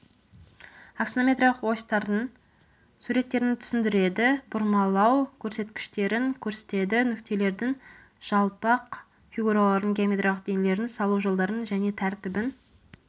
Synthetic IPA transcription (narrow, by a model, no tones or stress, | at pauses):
aksnomʲet̪ɾalˠəqwo̞jst̪ɑɾd̪ən | suɾe̞t̪ːe̞ɾɪnt̪ʰʏ̥sɪnd̪ɪɾe̞d̪ɪbʊɾmɑlˠɑwkʲʰɵɾse̞t̪kʲɪ̥ʃt̪e̞ɾɪŋkʲʰɵɾse̥t̪e̞d̪ɪnʏkt̪e̞le̞ɾd̪ɪŋ | ʒ̥ɑlˠpɑq | fʲiɡuɾalˠɑɾəŋɡʲijamet̪ralˠəqd̪enele̞ɾɪnsɑlˠuʒo̞lˠd̪ɑɾənʒæne̞t̪ʰæɾt̪ɪbɪn